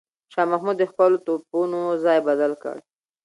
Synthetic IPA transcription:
ʃɑmahmud̪ːəxpəlot̪opunozɑjbad̪alkə̰ɽ

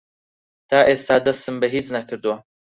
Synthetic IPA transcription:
t̪ʰaːʔeːst̪aːd̪ɐst̪ɨmbɛɦiːt͡snɐkʰɨɾd̪ɨwɐ

